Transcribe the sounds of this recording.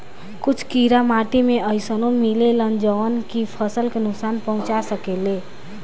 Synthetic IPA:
kut͡ʃʰkiɾamaʈimeəjsənomilelənd͡ʒəʋənkipʰəsəlkenʊksanpəɦũt͡ʃasəkele

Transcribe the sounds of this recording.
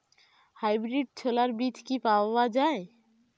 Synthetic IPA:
hajbɾiɖ̚t͡ɕʰolaɾbit̪ʰkipaobad͡ʑae

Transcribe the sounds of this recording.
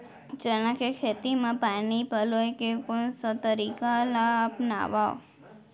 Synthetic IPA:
d͡ʒənãkekʰet̪imãpanipəlojkekonsət̪əɾikalaːpna̰ʋao

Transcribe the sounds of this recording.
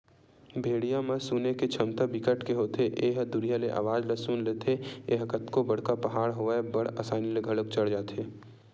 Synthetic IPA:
bʱeːɽijãmesuːneket͡ʃʰəmt̪abɪkəʈkeɦoːt̪ʰeʔeːɦd̪ʊɽijaleʔa̰ːʋaːd͡ʒlesuːnleːt̪ʰeeːɦkət̪kobəɽ̤kapəɦaːɽɦoabəɽəsaːnileɡʱɐɽək̚t͡ʃəɽ̤d͡ʒaːt̪ʰeː

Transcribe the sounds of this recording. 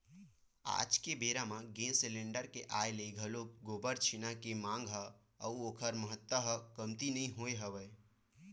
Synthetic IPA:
a̰ːd͡ʒkebeɾamãɡesɪlẽɳɖəɾkeʔajleiɡʱəloɡobəɾt͡ʃʰinakemãːŋɡɦə | əuoːkʰəɾməɦət̪wəɦəkəmt̪inəĩɦoeɦəʋəe

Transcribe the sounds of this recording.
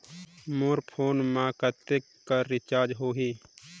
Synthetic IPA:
moːɾpʰoːnmaːkət̪ekː | aɾɪt͡ʃaːɾd͡ʒɦoːɦi

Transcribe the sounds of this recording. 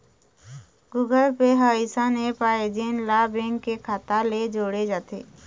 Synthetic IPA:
ɡuːɡəlpeɦaɪsanepaːed͡ʒeːnlaːbẽŋɡkekʰaːt̪aled͡ʒoːɽed͡ʒaːt̪ḛː

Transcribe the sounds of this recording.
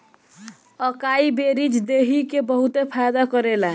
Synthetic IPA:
əkaibeɾid͡ʒd̪eɦikebəɦut̪epʰajd̪akəɾela

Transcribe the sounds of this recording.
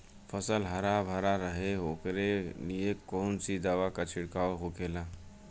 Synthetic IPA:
fʰəsəlɦəɾabʱəɾaɾəɦeɦoːkɾelijekoːnsid̪əʋakat͡ʃʰɪɽkaːoɦokeːla

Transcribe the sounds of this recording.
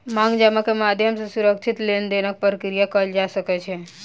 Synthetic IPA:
mãŋɡd͡ʒamakemad̪ʱjəmsesuɾəkt͡ʃʰit̪lend̪enak̚pɾəkɾijakəld͡ʒasəket͡ʃʰe

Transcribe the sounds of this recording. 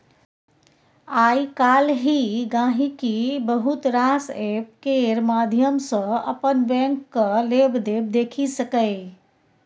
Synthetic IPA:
aikalɦiɡãɦĩkibəɦut̪ɾasepkeɾmad̪ʱjəmsə̃ə̰pənbɛ̃ŋkːəlebd̪eb̚d̪ekʰisəkəɪ

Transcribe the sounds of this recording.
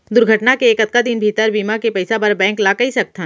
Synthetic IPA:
d̪ʊɾɡʱəʈnakeːkɐt̪̚kad̪inbʱiːt̪əɾbiːmakepɛɪsapɐɾbɛ̃ːŋklaːkɐɦisɐk̚t̪ã

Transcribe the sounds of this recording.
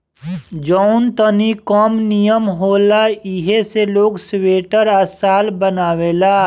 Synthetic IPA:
d͡ʒɔːʊnt̪ənikɔːmnijəmɦoːlaɪɦeseloːɡsweːʈəɾɐsaːlbənaːwelaː

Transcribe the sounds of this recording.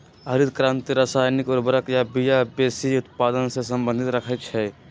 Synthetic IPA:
ɦəɾɪd̪kɾãːnt̪iɾasaːjnikɔɾbəɾəkjabijabeːsiʊt̪paːd̪ənsesəmbə̃nd̪ʱit̪ɾəkʰət̪t͡ʃʰɛ

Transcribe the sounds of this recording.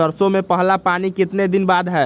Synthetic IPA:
əɾsomepəɦlapanikɪt̪ned̪inbad̪ɦɛ

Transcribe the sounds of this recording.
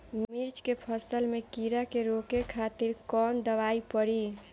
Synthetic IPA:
mmiɾt͡ʃkepʰəsəlmekiɾakeɾokekʰat̪iɾkɔnd̪əʋaipəɽi

